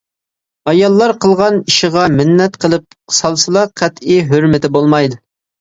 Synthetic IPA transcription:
ɑjɑlˠːɑɾqʰəlˠʁɑniʃɪʁɑmɪnːɛt̪qʰəlˠɨp̚ | sɑlˠsɨlˠɑqʰæt̪iɦøɾmɪt̪ɪbolˠmɑjd̪ɨ

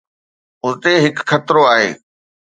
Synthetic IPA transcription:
ʊnt̪eɦɪkxɐt̪ɾoaːɦḛː

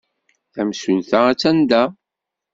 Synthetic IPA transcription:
θæmsunθææt͡sːænd̪æ

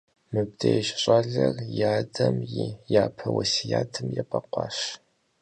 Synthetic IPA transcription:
mɨb̚dejʃɕʼɑɮɐrjaːdɐmjaːpʰɐwɐsijaːtʰɨmjɛpʼɐqʷɑːʃ

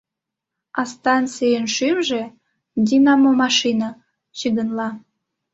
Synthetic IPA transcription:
ɑst̪ɑnt͡sijənʃymʒĕ | d̪ʲinɑmomɑʃinɑ | t͡ɕiɡ̪ənlɑ

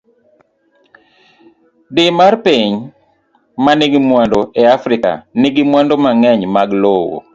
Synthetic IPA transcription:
dɪmarpiɲ | manɪɡɪmwandɔʔeafɾɪka̰nɪɡɪmwandɔmaŋɛɲmaɡlowo̰

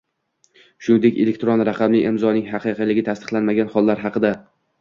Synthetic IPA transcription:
ʃʊnd̪e̞kʲelek̚ʲt̪ɾonɾɑqʰɑmlɪɪmzɒnɪŋɦɑqʰɨqʰɨlɪɡʲɪt̪ʰast̪ɨ̥qlanmaɡʲanhɒlˠːaɾɦɑqɨd̪a

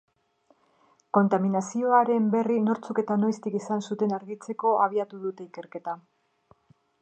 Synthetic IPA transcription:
ko̞nt̪aminasio̞aɾe̞mbe̞rino̞ɾt͡suke̞t̪ano̞jst̪ikisansut̪e̞naɾɣit͡se̞ko̞ʔaβ̞iat̪uðut̪e̞ike̞ɾke̞t̪a

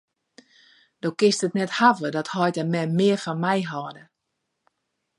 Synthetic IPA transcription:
d̥owkɪstətnɛthavədɔthɔjtəmɛmɪərfɔnmɛjɦɔːdə

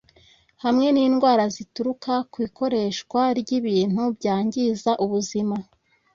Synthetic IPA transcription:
hamŋe̞niːnɡwaːɾazituɾukakwiːko̞ɾe̞ːʃkwaɾɟiβiːn̥hubɟaːɲɟizaʔuβuzima

